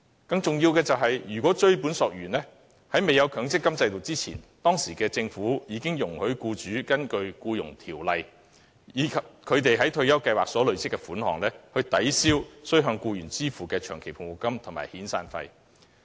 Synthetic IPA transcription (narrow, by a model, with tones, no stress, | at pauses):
kɐ˧ŋt͡sʊ˨ŋjiː˧wkɛː˧t͡sɐ˨wɦɐ˨jjyː˨˩kwɔː˨˥t͡ʃɵ˥ɥpuː˨˥nsɔː˨k̚ɥyː˨˩nlɛː˥ | hɐ˨˥jme˨jɐ˨˧wkʰœː˨˥ŋsɪ˥kːɐ˥mt͡sɐ˧jt̪o˨wt͡siː˥t͡sʰḭː˨˩nt̪ɔː˥ŋsiː˨˩kɛː˧t͡sɪ˧ŋfuː˨˥jiː˨˧kɪ˥ŋjʊ˨˩ŋhɵ˨˥ɥkuː˧t͡ʃyː˨˥kɐ˥nkɵ˧ɥkuː˧jʊ̰˨˩ŋt̪ʰiː˨˩wlɐ˨j | jiː˨˥kʰɐ˨p̚kʰɵ˨˧ɥt̪e˨jɦɐ˨˥jt̪ʰɵ˧ɥjɐ˥wkɐ˧jwaː˨k̚sɔː˨˥lɵ˨˧ɥsɪ˥kːɛ˧fuː˨˥nhɔ̰ː˨˩ŋlɛː˥hɵ˧ɥt̪ɐ˨˥jsiː˥wsɵ˥ɥɦœː˧ŋkuː˧jyː˨˩nt͡siː˥fuː˨kɛː˧t͡ʃʰœː˨˩ŋkʰe˨˩jpʰʊ˨˩ŋwu˨˩kːɐ˥mt̪ʰʊ˨˩maː˨˩hiː˨˥nsa̰ː˧nfɐ̰˧j